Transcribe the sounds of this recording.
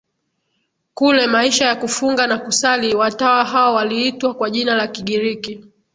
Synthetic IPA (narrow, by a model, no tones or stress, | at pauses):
kulɛmaiʃajakufuŋɡanakusaliwatawaɦaɔwaliitwakwaʄinalakiɠiɾiki